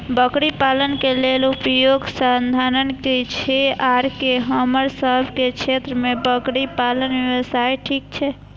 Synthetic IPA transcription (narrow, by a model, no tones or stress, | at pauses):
bəkɽipalənkelelupəjoɡsand̪ʱanənket͡ʃʰeaɾkeɦəməɾsəbʱket͡ʃʰet̪ɾəmebəkɽipalənʋewəsajʈʰik̚t͡ʃʰɛ